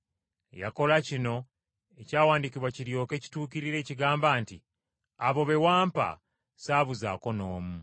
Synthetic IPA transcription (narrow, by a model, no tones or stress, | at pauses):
ja̰ko̞lacino̞ | e̞caːwaːndikiβwaciɾjo̞ːke̞ːci̥tuːkiɾiɾe̞ːciɡaːmbaːnti | aβo̞βe̞waːmpa̰ | saːβuza̰ːko̞no̞ːmu